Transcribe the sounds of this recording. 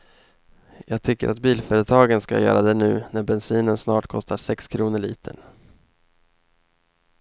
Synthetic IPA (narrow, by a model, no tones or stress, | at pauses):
jɑːɡ̚t̪ʰʏkːə̰ɾʔat̪biːlfœːɾət̪ʰɑːɡənska̰jœ̰ːɾad̪ɛnʉ̟ːnæɾbɛnsiːnənsnɑːʈkʰɔst̪aʂɛkskʰɾuːnəɭḭːt̪ʰə̰n